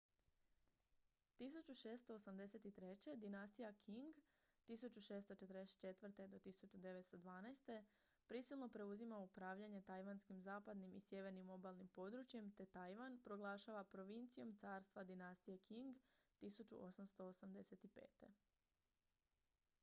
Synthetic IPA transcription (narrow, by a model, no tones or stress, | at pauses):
t̪is̬ut͡ʃuʃe̞ːst̪o̞ːsamd̪e̞se̞t̪it̪ɾe̞t͡ɕe̞d̪inast̪ijakʰiŋɡ | t̪isut͡ɕuʃe̞ːst̪o̞t͡ʃe̞t̪ɾest͡ʃe̞t̪ʋr̩t̪e̞d̪o̞t̪isut͡ʃud̪e̞ʋet̪st̪o̞d̪ʋaːnajst̪e̞ | pɾisilˠno̞pɾe̞uzimaupɾaːʋʎaɲe̞t̪ajʋanskimzaːpad̪nimisje̞ʋe̞ɾnimo̞balˠnimpo̞d̪ɾut͡ɕje̞mt̪e̞t̪ajʋanpɾo̞ɡlˠaːʃaːʋapɾo̞ʋint̪sijo̞mt̪saːɾst̪ʋad̪inast̪ijekʰiŋɡt̪isut͡ʃṵʔosamst̪o̞ːsamd̪e̞se̞t̪ipe̞̰ːt̪e̞